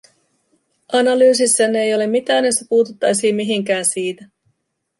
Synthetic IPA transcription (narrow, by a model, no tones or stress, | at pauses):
ɑnɑlyːs̬isːene̞jo̞le̞mːit̪æːnjost̪æpuːt̪ut̪ːɑjsiːmmiɦiŋk̟æːnsiːt̪æ